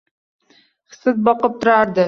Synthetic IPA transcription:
χsɨt̪̚bɒqɤp̚t̪ʊɾɑɾd̪ə

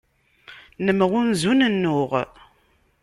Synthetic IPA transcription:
nəmʁʊnzunənːʊʁ

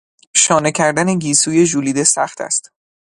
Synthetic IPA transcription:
ʃɒːnecʰæɾd̪æneɟiːsuːje̞ʒuːliːd̪e̞sæ̰χt̪ʰæ̰st̪

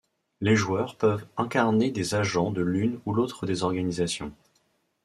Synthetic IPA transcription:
leʒuwœʁpœvɛ̃kaʁned̪ezaʒɑ̃d̪əlynulot̪χəd̪ezɔʁɡanizasjɔ̰̃

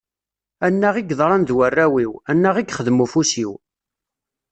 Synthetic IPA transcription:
ænːæʁiɡðˤɾˤɑnðwərːæwiwænːæʁiɡχəðmufusiw

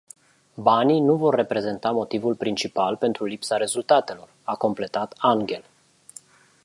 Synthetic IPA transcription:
banijnuvo̞rːe̞pɾe̞ze̞nt̪amo̞t̪ivulpɾint͡ʃipalpe̞nt̪ɾulipsaɾe̞zult̪at̪e̞lo̞rako̞mple̞t̪at̪aŋɡʲe̞l

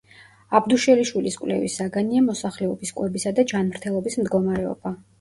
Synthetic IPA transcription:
abd̪uʃɛliʃwiliskʼwlɛ̰vḭsaɡaniamɔsaχlɛɔbiskʼwɛbisad̪ad͡ʒanmɾt̪ʰɛlˠɔbismd̪ɡɔmaɾɛɔ̰b̥a

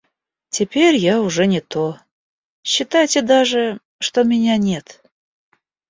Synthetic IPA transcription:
tʲɪpʲerʲjaʊʐɛnʲɪt̪o | ɕːɪt̪ajtʲɪd̪aʐɨ | ʂt̪omʲɪnʲanʲe̞t̪

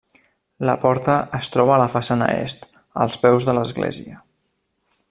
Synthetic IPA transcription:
ləpɔɾt̪əəst̪ɾɔβ̞əːləfəsanə̰ḛst̪ | ə̰lˠspɛwzðələzɣlḛziə

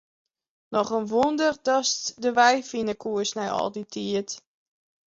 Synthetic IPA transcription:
nɔχənʋundərdɔstdəʋɛjfinəkuəsnɛjɔ̰lˠditʰiət

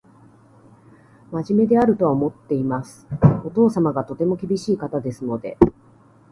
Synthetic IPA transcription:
maʑime̞d̪e̞aɾɯ̟t̪o̞βaomo̞t̪ːe̞imasɨ̥o̞t̪o̞ːsamaɡat̪o̞t̪e̞mo̞kʲibʲiɕiːkat̪ad̪e̞sɨno̞d̪e̞̰

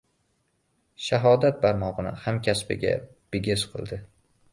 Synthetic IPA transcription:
ʃaɦɒd̪at̪̚baɾmɒʁɨnɪ̰hamkʲʰaspɪ̰ɡʲa̰ | b̥ɪɡʲɪsqʰɨ̰lˠd̪ɪ

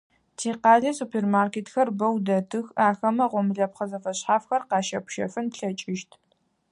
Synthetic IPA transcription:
tʰeːqɑːɮɐsupʰeːrmaːrkeːtxɐrbɐwdɐtʰɨxaːxɐmɐʁʷɔmɨɮɐpχɐzɐfɐɕħaːfxɐrqɑːʃɐpʃɐ̰fɨnpɬɐt͡ʃʼɪʃtʰ

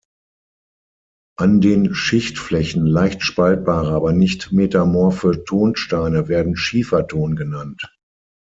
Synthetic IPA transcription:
ʔandeːnʃɪçtflɛçn̩laɪçtʃpalt̚b̥aːʁɐʔaːbɐnɪçtmeːtamɔɐfyːɐtʰoːnʃtaɪnəveːɐdn̩ʃiːfɐtʰoːnɡənant

